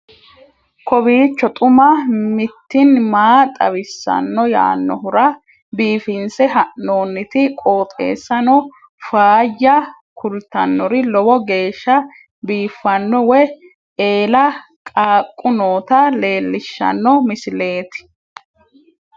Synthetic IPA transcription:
kɔbiːt͡ʃːɔt̪ʼʊmɐmɪt̪ːɪnmaːt̪ʼɐ̰βɪsːɐ̰nːɔja̰ːnːɔɦʊɾɐ | biːfɪnsɛɦɐʔno̞ːnːɪt̪ɪkʼo̞ːt̪ʼe̞̰ːsːɐnɔ | faːjːɐ | kʊlt̪ːɐnːɔɾɪlɔbɔɡe̞ːʃːɐ | biːfːɐnːɔwɛ | eːlɐ | kʼaːkʼːʊnoːt̪ɐle̞ːlːɪʃːɐ̰nːɔmɪsɪle̞ːt̪ɪ̥

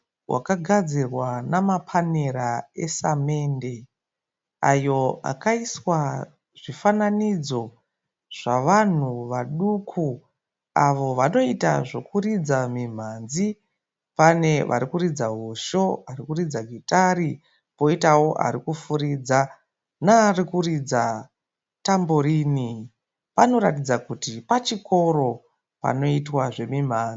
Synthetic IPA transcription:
wʔa̰kaɡʱad͡zirwanamapʰaneɾae̞same̞ːnde̞ | ajo̞a̰kaiswa | ʐ̥ifananid͡zo̞ | ʐ̥aʋan̤uʋaɗukʰu | aʋo̞ʋano̞ita̰ʐo̞kurid͡zamim̤anzi | pane̞ʋʔa̰ɾikuɾid͡zaɦoʃo̞arikurid͡zaɡʱitaɾi | po̞itawo̞ʔa̰ɾikufuɾid͡za | narikurid͡za | tamboɾini | pano̞ɾatid͡zakutipat͡ʃiko̞ɾo̞ | pa̰no̞itwaʐe̞mim̤aːnd͡zi

